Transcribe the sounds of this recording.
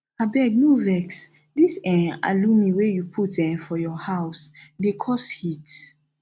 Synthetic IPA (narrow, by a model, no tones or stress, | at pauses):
abɛɡ̚nuvɛks | disɛ̃a̰lũmiwejupʰut̚dɛ̃mfɔjɔhaʊsdekʰɔshit